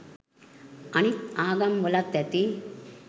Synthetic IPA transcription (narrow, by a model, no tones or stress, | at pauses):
ɐnit̪aːɡɐmʋɐlɐt̪jɐt̪i